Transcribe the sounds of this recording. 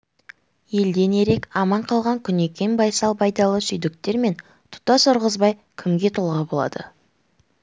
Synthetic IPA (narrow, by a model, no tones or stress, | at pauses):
je̞ld̪e̞ne̞ɾe̞kɑmɑɴqʰɑlˠʁɑŋkʲʰʏne̞kʲe̞nbɑjsɑlˠbɑjd̪ɑlˠəsʏjd̪ɪk̚t̪e̞ɾme̞n | t̪ʰʊ̥t̪ɑsʊɾʁəzbɑj | kʲʰɪmɡʲe̞t̪ʰolˠʁɑbo̞lˠɑ̰d̪̥ə̰